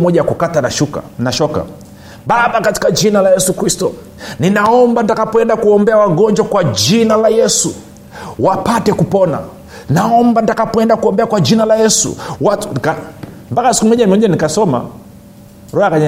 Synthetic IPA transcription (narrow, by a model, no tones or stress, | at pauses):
mɔʄaakukatanaʃuka̰naʃɔka̰ | ɓaɓakati̥kad͡ʒinalajɛsukɾistɔ | ninaɔmbantakapwɛndakuɔmbɛawaɡɔɲd͡ʒwakwad͡ʒinalajɛsu | wapatɛkupɔna̰ | naɔmbantakapwɛndakuɔmbɛakwad͡ʒinalajɛsṵwatka | mpakasi̥kumɔɲamiɔɲanikasɔma̰ | ɾɔakaɲa